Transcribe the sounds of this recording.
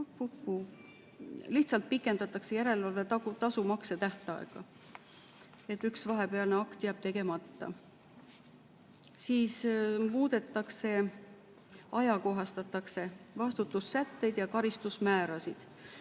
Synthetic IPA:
pːupːu | liht̪sɑlt̪̚pikːˑe̞nd̪ɑt̪ːˑɑkse̞jæɾe̞lvɑlvet̪ɑt̪ɑsumɑkset̪æht̪ɑ̰ḛɡ̥ɑ̰ | e̞t̪ːyksvɑɦe̞pe̞ɑlneɑkt̪jæɑb̥̚t̪e̞ɡe̞mɑt̪ːɑ̰ | siːsmuːd̪̥e̞t̪ːˑɑkse̞ | ɑjɑko̞ɦɑst̪ɑt̪ːˑɑkse̞vɑst̪ut̪ːˑusːæt̪ːe̞jd̪̥jɑkɑɾist̪usmæːɾɑsid̪̥

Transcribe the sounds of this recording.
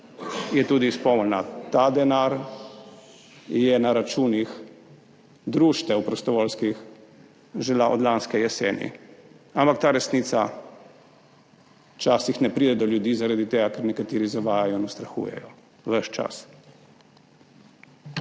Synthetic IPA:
jɛt̪uːd̪ispɔmlnat̪ad̪ɛnaɾ | jɛnaɾat͡ʃuːnix | d̪ɾuːʃt̪ɛwpɾɔst̪ɔʋɔlskix | ʒɛlaʔɔ̰d̪lanskɛjɛsɛːnḭ | ampakt̪aːɾɛsniːt̪sa | t͡ʃaːsixnɛpɾid̪ɛd̪ɔljud̪iːzaɾad̪it̪eːɡakɛɾnɛkat̪iːɾizaʋaːjajɔinɔst̪ɾaxṵjɛ̰jɔ | ʋəʃt͡ʃa̰s

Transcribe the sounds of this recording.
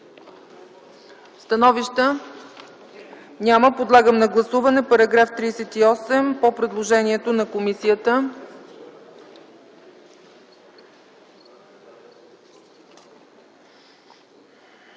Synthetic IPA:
st̪ɐnɔviʃt̪ə | nʲaməpod̪lˠaɡəmnɐɡlˠɐsuvɐnɛpɐɾɐɡɾaft̪ɾisɛt̪iɔsɛmpopɾɛd̪lˠoʒɛniɛt̪onɐkomisijət̪ə

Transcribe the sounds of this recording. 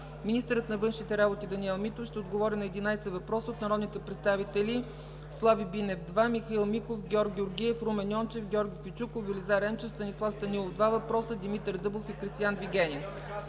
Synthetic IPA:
minist̪əɾət̪nɐvɤnʃnit̪ɛɾabot̪id̪ɐniɛlˠmit̪ofʃt̪ɛod̪ɡovɔɾinɐɛd̪inajsɛvɐpɾɔsəot̪nɐɾɔd̪nit̪ɛpɾɛt̪st̪avit̪ɛlʲi | slˠavibinɛfd̪vamixɐilˠmikofɡʲɔɾk̚ɡʲioɾɡʲiɛfɾumɛnjɔnt͡ʃɛfɡʲɔɾɡʲikʲjut͡ʃukofvɛlizaɾɛmt͡ʃɛfst̪ɐnislˠafst̪ɐnilˠofd̪vavɐpɾɔsəd̪imit̪ɛɾd̪ɤblˠofikɾist̪ijanviɡʲɛnʲiɛ

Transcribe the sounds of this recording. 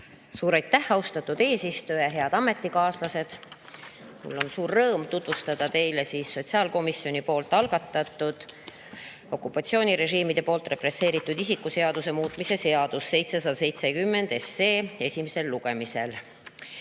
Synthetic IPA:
suːɾɑjt̪ːæhɑust̪ɑt̪ːud̪̥e̞ːsist̪ojɑɦe̞ɑd̪̥ɑme̞t̪ːikɑːslɑse̞d̪̥ | mṵlːo̞nsuːrːɤːmt̪ut̪vust̪ɑd̪̥ɑt̪e̞jlesiːsːo̞t̪ʲsiɑːlko̞misjo̞nipo̞ːlt̪ːˑɑlɡ̥ɑt̪ːˑɑt̪ːˑud̪̥ | o̞kːupːˑɑt̪sio̞ːnʲiɾe̞ʒiːmid̪̥e̞po̞ːlt̪re̞pre̞sːe̞ːɾit̪ːˑud̪isikːˑuse̞ɑd̪use̞muːt̪ːˑmise̞se̞ɑd̪̥usːe̞jt̪se̞sɑd̪ɑse̞jt̪se̞kymːe̞nd̪̥e̞seːe̞sʲimese̞lːuɡ̥e̞mise̞̰l

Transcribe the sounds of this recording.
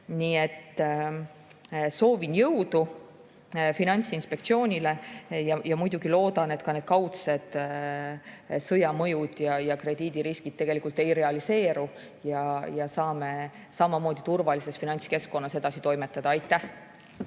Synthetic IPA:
niːe̞t̪ːˑ | so̞ːvinjɤwd̪̥u | finɑnʲt̪sinspe̞kt̪sio̞ːnʲile̞jɑjɑmujd̪uɡ̥ilo̞ːd̪ɑne̞t̪ˑkɑne̞d̪̥̚kɑwt̪se̞d̪̥ | sɤjɑmɤjud̪̥jɑjɑkre̞d̪iːd̪̥iɾiskid̪̥̚t̪e̞ɡ̥e̞likˑult̪ːˑe̞jɾe̞ɑlise̞ːɾu | jɑjɑsɑːme̞ | sɑmɑmo̞ːd̪̥it̪urvɑlise̞sfinɑnʲt̪ske̞skːˑo̞nːɑse̞d̪̥ɑsit̪o̞jme̞t̪ːˑɑd̪̥ɑɑjt̪ˑːæh

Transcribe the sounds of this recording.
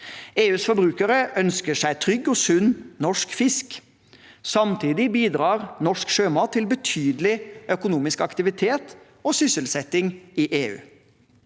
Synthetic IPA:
eːʉːsfɔbɾʉːkəɾəʔœnskəʂæɪt̪ʰɾʏɡːɔːsʉnnɔʂkfɪsk | sɑmt̪ʰiːd̪ɪbiːd̪ɾɑːɾnɔʂkʃøːmɑːt̪ʰːɪlbət̪ʰyːd̪lɪœkʊnuːmɪskɑkt̪ɪʋɪt̪ʰeːt̪ | oːsʏsəlsɛt̪ɪŋiːʔeːʉ̰ː

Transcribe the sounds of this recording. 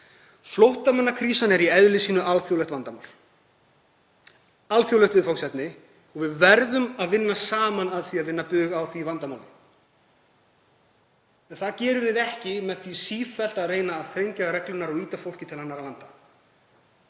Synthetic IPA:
flowht̪amanːakʰɾiːsanɛɾiɛðlɪsiːnʏʔalθjowlɛht̪vant̪ama̰wl | alθjowlɛht̪ɪðfawksɛt̪nɪ | ɔɣvɪðvɛɾðʏmaðvɪnːasaːmanaðθviaðvɪnːapʏːɣawθivant̪amawðɪ̰ | ɛnθaðcɛːɾʏvɪðɛhcɪmɛðθisiːfɛl̥t̪areːjnaːðθɾejɲcaɾɛklʏnaɾɔɣiːt̪afowl̥cɪt̪ʰɪlhanːaɾalant̪a

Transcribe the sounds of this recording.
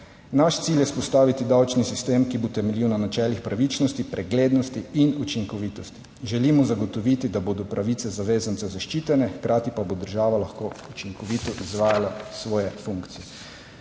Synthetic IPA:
naʃt̪siljɛspɔst̪aːʋit̪id̪awt͡ʃnisist̪eːmkibot̪ɛmɛliwnanat͡ʃɛːlixpɾaʋit͡ʃnɔst̪ipɾʔɛɡleːd̪nɔst̪iinut͡ʃiŋkɔʋiːt̪ɔst̪i̥ | ʒɛlimɔzaɡɔt̪ɔʋiːt̪id̪aboːd̪ɔpɾaʋit̪sɛzaʋeːzant̪sɛzaʃt͡ʃiːt̪ɛnɛxkɾʔaːt̪ipabod̪əɾʒaːʋalaxkoːut͡ʃiŋkɔʋiːt̪ɔʔizʋaːjalasʋɔːjɛfuŋkt̪sijɛ

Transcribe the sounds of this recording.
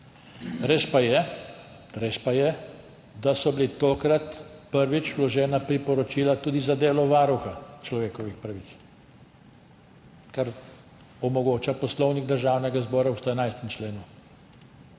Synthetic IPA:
ɾeʃpajɛ | ɾeːʃpajɛ | d̪asɔbilit̪oːkɾat̪pəɾʋit͡ʃwlɔʒɛːnapɾipɔɾɔt͡ʃilat̪uːd̪izad̪eːlɔʋaɾuxat͡ʃlɔʋeːkɔʋixpɾaʋit̪s | kaɾ | ɔmɔɡoːt͡ʃapɔslɔwniɡ̚d̪əɾʒaːwnɛɡazbɔːɾawst̪ɔɛnajst̪ɛmt͡ʃleːnu

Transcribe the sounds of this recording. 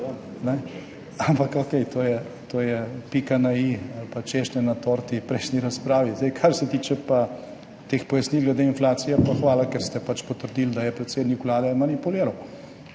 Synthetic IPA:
nɛ | ampakokɛjt̪ʰoːjɛt̪oːjɛpikanaialpat͡ʃeʃnɛnat̪oːɾt̪ipɾɛjʃniɾaspɾaːʋizd̪ɛjkʰaɾsɛt̪iːt͡ʃɛpa | t̪eːxpɔjasnilɡlɛd̪einflaːt̪sijɛpaxʋaːlakɛɾst̪ɛpat͡ʃpɔt̪əɾd̪ild̪ajɛpɾɛt̪seːd̪nikulaːd̪ɛmɐnipuleːɾaw

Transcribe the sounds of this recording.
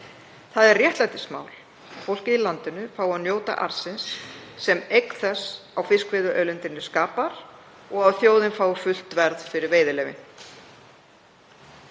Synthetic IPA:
θaðɛɾrrjɛht̪lajt̪ɪsma̰ːwl | afowl̥cɪilant̪ɪnʏfaːwawnjoːwt̪a̰ʔa̰ɾ̥sɪnsːɛmejkθɛsawfɪskvɪːðʏʔœɥlɪnt̪ɪnːʏskaːpaɾ̥ | ɔɣawθjoːwðɪnfaːwʏfʏl̥t̪vɛɾðfɪɾɪɾveːjðɪlɛːvɪn

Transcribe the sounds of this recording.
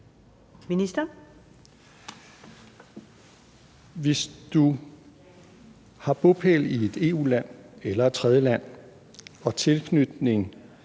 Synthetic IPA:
minisd̥ɐ | ʋe̝sd̥u | hɑ̈b̥o̝pʰelie̝d̥e̝ːṵːlæn̰elɐt͡sʰʁɛð̞ˠjəlæn̰ | ɒ̽t͡sʰe̝lkʰnyd̥ne̝ŋ

